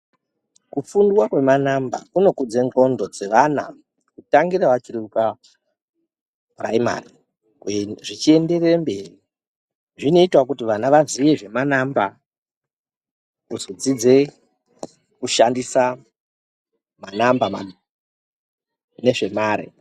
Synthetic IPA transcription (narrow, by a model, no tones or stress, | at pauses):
kufunduwakwe̞manamba̰kuno̞kud͡ze̞ŋɡo̞ndo̞d͡ze̞ʋana̰ | kutaŋɡiɾaʋat͡ʃiriuka | ra̰ima̰ri | ʐit͡ʃie̞nde̞rerambe̞ːri | ʐino̞itwak̬utiʋanaʋaziʋe̞ʐe̞manamba | uzod͡zid͡ze̞ | kuʃandisa | manambama | ne̞ʐe̞maːɾḭ